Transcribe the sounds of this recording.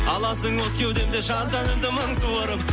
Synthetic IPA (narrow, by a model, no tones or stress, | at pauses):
ɑlˠɑsəŋwot̪̚kʲe̞wd̪e̞md̪eʃɑnt̪ɑnɪɾd̪ɪmɑŋsuwoɾəm